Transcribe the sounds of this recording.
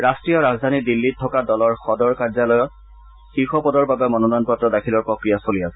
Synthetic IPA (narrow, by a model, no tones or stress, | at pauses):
ɹastɹijɔɹazd̪ʱanidilːitʰːɔkadɔlɔɹxɔdɔɹkaɹzalɔjɔt̚ | xiɹxɔpɔdɔɹbabɛmɔnɔnɔnpɔtɹɔdakʰilɔɹpɹɔkɹijasoliasɛ